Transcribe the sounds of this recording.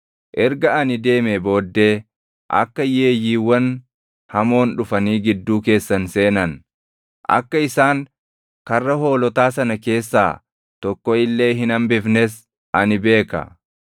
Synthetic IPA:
ʔɛɾɡɐɐnɪd̪e̞ːmebo̞ːd̪ːe̞ː | ʔɐ̰kːɐje̞ːjiːwɐn | hɐmo̞ːnᶑʊfɐniːɡɪd̪ːuːke̞ːsːɐnse̞ːnɐn | ʔɐ̰kːɐɪsaːŋ | kɐrːɐɦo̞ːlɔt̪aːsɐnɐke̞ːsːa̰ː | t̪ɔkːɔɪlːe̞ːɦɪnɐmbɪfnɛs | ʔɐnɪbe̞ːkɐ̰

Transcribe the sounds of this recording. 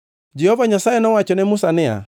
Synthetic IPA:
d͡ʒɛhɔvaɲasaɛnawat͡ʃɔnɛmusanɛa̰

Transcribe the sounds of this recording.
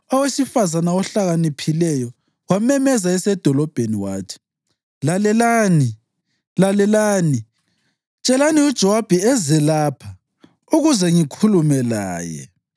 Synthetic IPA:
ɔwesifazanawɔɬaɣanipʰilɛjɔ | wamɛmɛzaɛsɛd̥ʱɔlɔb̥ʱeniwa̰ːtʰi̥ | lalɛlaːni | lalɛlaːni | t͡ʃʼɛlaniud̥ʒ̥ʱɔwab̥ʱɛɛzɛlaːpʰa | uɣuzɛŋikʰulumɛla̰ːjɛ̰

